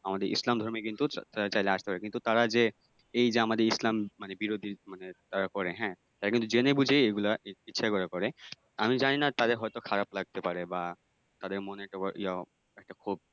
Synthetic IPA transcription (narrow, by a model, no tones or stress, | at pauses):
amad̪eɹḭslamd̪ʱɔɹmikint̪uat͡ʃajlɛast̪epaɹɛkint̪ut̪aɹaze | ejzeamad̪eɹislammanɛbiɹod̪ʱimanɛt̪aɹakɔɹɛɦɛ̃ | t̪aɹakint̪uziɛnejbud͡ʒʱeeɡulaitːʃʰakɔɹakɔɹɛ | amid͡ʒaninat̪ad̪eɹɦɔjt̪ɔkʰaɹaplaɡ̚t̪epaɹɛba | t̪ad̪eɹmɔnɛk̚ʈakɔʔḭja | ɛk̚ʈakʰub̚